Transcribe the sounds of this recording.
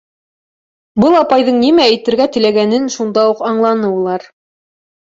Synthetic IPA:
bɤlˠɑpɑjðɤɴnimææjt̪ɘ̆ɾɡæt̪ɘ̆læɡænɘnʃund̪ɑuqɑɴlˠɑnɤulˠɑɾ

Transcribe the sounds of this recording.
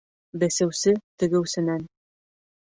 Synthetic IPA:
bæsæ̆wsɘt̪ɘ̆ɡɘ̆wsɘ̆næn

